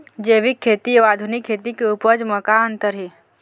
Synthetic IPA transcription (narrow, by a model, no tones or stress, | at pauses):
d͡ʒeːʋikʰːeːt̪iɔaːd̪ʱunikʰːeːt̪ikeupəd͡ʒməkaənt̪əɾɦi